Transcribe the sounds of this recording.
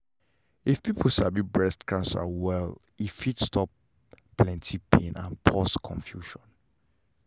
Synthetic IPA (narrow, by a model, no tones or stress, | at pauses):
ifpipʰl̩sabibɹɛstkʰãnsa̰wɛl | itfitstʰɔp | plɛ̃ntʰipʰẽnã̰npʰɔskʰɔ̰̃nfjuʃɔ̃n